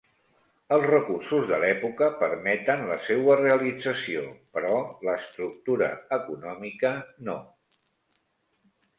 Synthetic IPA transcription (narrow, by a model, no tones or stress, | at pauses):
əlˠzrəkursuzðəlɛpukəpəɾmɛt̪ənləsewəreəlid͡zəsio̰pəɾɔləst̪ɾuk̚t̪uɾə̰əkunɔmikəno